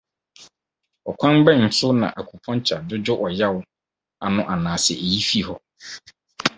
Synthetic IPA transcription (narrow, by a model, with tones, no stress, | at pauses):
ɔ˨kʷʰã˦m˦bɛ˦˨n̩˨sʊ˦nã̰˨ʔa˨kʰu˨pʰɔ̃˦n˦t͡ɕʰa˨dʊ˦d͡ʑʊ˦ʔɔ˨ja˦wʊ˨˦ | a˨nʊ̃˨ʔa˨nãː˨sɛ˨ʔe˨ji˦fi˦˨hɔ˨